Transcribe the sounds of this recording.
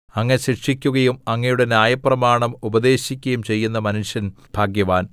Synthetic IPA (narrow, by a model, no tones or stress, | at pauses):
ɐŋːɐneɕiʂikʲːuɣɐjumɐŋːɐjuɽe̞njaːjɐprɐmaːɳɐmubɐd̪e̞ːɕikʲːɐjumt͡ɕe̞jːunːɐmɐnuʂjɐn | bʱaːɡjɐʋaːn